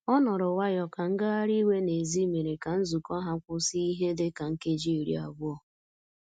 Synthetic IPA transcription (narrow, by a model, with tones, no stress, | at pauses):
ɔ˦nɔ˨ɾɔ˨wa˦jɔ˨ka˨ŋ̩˦ɡa˦a˦ɾi˦we˦ne˨zi˦me˨ɾe˨ka˨n̩˦zu˨kɔ˦ɦa˦kʷʊ˦si˦i˦ɦe˦dɪ˦ka˨ŋ̩˦ke˦d͡ʒi˦˨ɾḭ˨a˨bʊ˦ɔ˨